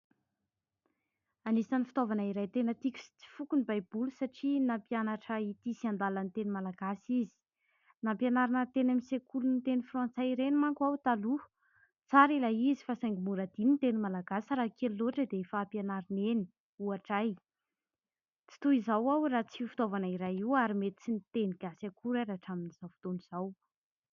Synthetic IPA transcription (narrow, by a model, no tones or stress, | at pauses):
anisanifi̥t̪ovanaiɾajt̪enət̪ikʲu̥si̥t͡si̥fukunibajb̥ulusaʈ͡ʂinampianaʈ͡ʂəit̪isiand̪alant̪enimalaɡasizi̥ | nampianaɾinət̪enamisekʰulunit̪enifrãnt͡saiɾenimaŋkuawt̪alu | t͡saɾilaizifasajŋɡimuɾad̪̥inint̪enimalaɡasɾaːkʰeliloʈ͡ʂəd̪eifaːpjanaɾineni̥ | uaʈ͡ʂaj | t͡si̥t̪uizawawrat͡sifi̥t̪ovanaiɾajiwaɾimet̪i̥t͡sinit̪eniɡ̥asakuɾaɾaʈ͡ʂaminiz̥awvi̥t̪oniz̥aw